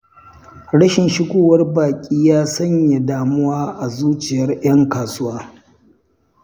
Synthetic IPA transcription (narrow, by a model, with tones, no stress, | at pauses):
ɽɐ˦ʃɪ˨nʃɪ˦ɡʷoː˦˨wɐ˦rbaː˨kʲʼiː˦jaː˦sɐ˦ɲja˨daː˨mʊ˦waː˦ʔa˨zuː˦t͡ʃɪ˨jɐ˦rj̰ɐ˦ŋkaː˨sʊ˦waː˦